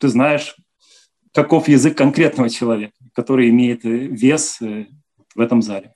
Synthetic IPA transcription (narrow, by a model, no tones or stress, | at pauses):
t̪ɨznajɪʂ | kɐko̞fjɪzɨkːɐnkɾʲe̞t̪nəvət͡ɕɪlˠɐvʲekə̥kːɐt̪o̞ɾɨjɪmʲejɪt̪vʲes | vɛt̪əmzalʲɪ